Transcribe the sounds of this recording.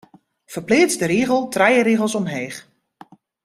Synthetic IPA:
fərplɪːsdəɾiːɣəlˠtrɛjəɾiːɣlˠsɔmɦeːχ

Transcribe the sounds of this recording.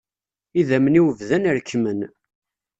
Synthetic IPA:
iðæməniwəvðænəɾkːmən

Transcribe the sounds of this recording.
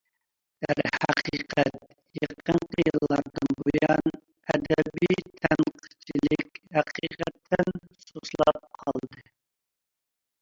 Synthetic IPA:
æɾhæqʰiqʰɛt̪̚ | jeqʰːəɴqəjɨllˠːɑɾd̪ɨnbojɑn | ɛd̪ɛbitt̪ʰɛnqʰə̥t͡ʃʰilɪkʲhæqʰiqɛt̪ʰːɪnsuslˠɑp̚qʰɑlˠd̪ɨ

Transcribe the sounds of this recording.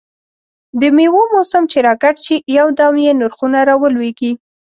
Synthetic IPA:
d̪əmewomosamt͡ʃeɾɑɡaʈt͡ʃijawd̪ɑmjenʊɾxunaɾɑwəlweɡi

